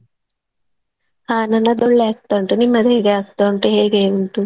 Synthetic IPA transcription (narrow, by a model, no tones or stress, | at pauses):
aːnɐnɐd̪oɭːeːk̚t̪ɐɳʈunimːɐd̪eːɡaɐst̪auɳʈeɦeːɡeːuɳʈu